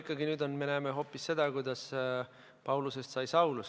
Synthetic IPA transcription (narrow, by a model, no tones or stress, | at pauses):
kːˑɑɡinyːd̪̥o̞nmenæːmeɦo̞ːpːˑisːe̞d̪̥ɑkujd̪̥ɑs | pɑwluse̞st̪sɑjsɑwlus